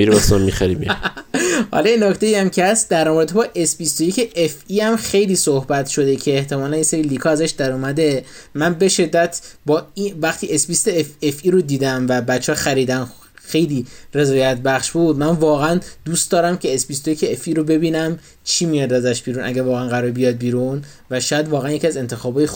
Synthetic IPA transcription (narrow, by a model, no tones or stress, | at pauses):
miɾibɔst̪ommixæɾimḭ | hɒ̰lɒjenːokt̪e̞iæmcʰeæst̪̚d̪æɾɒmɾet̪ʰebɒːʔe̞sbist̪ojeceʔefiːhæmxe̞jliːsohbæt̪ʰʃo̞d̪e̞cʰe̞ːht̪ʰe̞mɒːlænjeseɾiːliːkʰɒːæzæʃd̪æɾumæd̪e̞ | mænbe̞ʃe̞d̪ːæt̪ʰbɒːivæxt̪ʰiːʔesbist̪eefefiːɾod̪iːd̪æmvæbæt͡ʃʰːɒːxæɾiːd̪æn | xejliːre̞zɒːjæt̪̚ʰbæχʃbuːd̪mænvɒːɣæænd̪uːst̪d̪ɒːɾæmcʰe̞ːsbist̪ojecʰe̞efiːɾobe̞biːnæm | t͡ʃʰiːmijɒd̪æzæʃb̥iːɾuːnʔæ̰ɡævɒːɣeænɡæɾɔːɾebijɒd̪̚biːɾun | væʃɔjæd̪vɒːɣæænjeciæze̞nt̪ʰe̞xɒːbɒːji